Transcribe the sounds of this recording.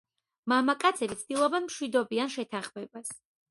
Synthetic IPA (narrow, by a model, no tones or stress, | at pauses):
mamakʼat̪sʰɛlit̪sʰd̪̥ilˠɔbɛnmʃwid̪ɔbianʃɛt̪ʰanχmɛbas